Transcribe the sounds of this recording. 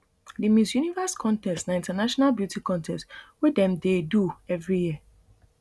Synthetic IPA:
dimĩsjunivaskʰɔ̃ntɛstnaĩntanaʃɔnalbjutikɔ̃ntʰɛstwedɛ̃mdeduɛvɹijiə

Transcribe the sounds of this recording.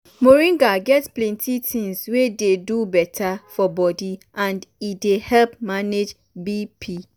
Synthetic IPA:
moɹĩŋɡaɡɛtsplɛ̃ntitĩŋswededubɛtʰafɔbɔdiʔãndidehɛlpmaned͡ʒ | bipʰi

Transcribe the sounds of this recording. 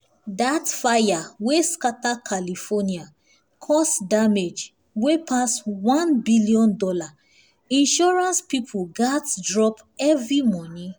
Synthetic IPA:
datfajaweskatakʰalifɔnia | kʰɔstdamed͡ʒ | wepʰaswãnbiliɔ̃ndɔla | ĩnʃɔɹãnspipʰuɡatsdɹɔp | ɛvɹimɔnĩ

